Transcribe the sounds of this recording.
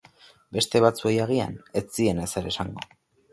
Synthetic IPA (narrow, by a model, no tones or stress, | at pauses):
be̞st̪e̞β̞at͡sue̞jaɣ̞ia̰ne̞t͡sie̞ne̞seɾe̞saŋɡo̞